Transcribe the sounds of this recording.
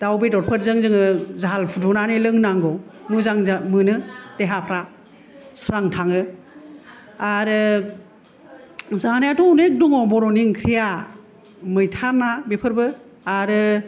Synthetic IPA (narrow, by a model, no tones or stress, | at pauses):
d̥awbidɔɾpʰɯɾzɯŋzɯŋɯzaɦalpʰudunanilɯŋnaŋɡɔmɯzaŋzmɯnɯteɦapʰɾa | sɾaŋtʰaŋɯ | aɾɯ | zanejatɔunek̚duŋɔbɔɾɔniŋkʰɾija | mɯjtʰanːabipʰɯɾbɯ | aɾɯ